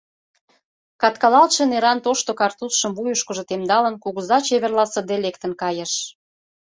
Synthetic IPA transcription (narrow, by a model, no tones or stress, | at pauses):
kɑt̪kɑlɑlʃĕneɾɑnt̪oʃt̪okɑrt̪usʃə̆mβujuʃkə̆ʒŏt̪emd̪ɑlə̆nkuɣuzɑt͡ɕeβerlɑsə̆d̪elekt̪ə̆nkɑjə̆ʃ